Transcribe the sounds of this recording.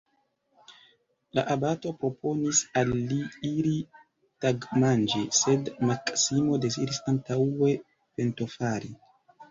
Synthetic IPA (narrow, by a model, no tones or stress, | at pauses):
la̰ʔabato̞pɾo̞po̞nisalːiiɾi | taɡmand͡ʒise̞dmaksimo̞de̞zidisantawe̞ | pe̞nto̞faɾi